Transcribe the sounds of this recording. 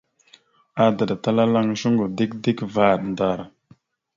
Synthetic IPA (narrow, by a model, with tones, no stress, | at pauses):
a˨da˨da˨ta˦la˦la˦ŋʒu˦ŋɡo˨di˦k̚di˦kva˦˨ɾnda˨ɾ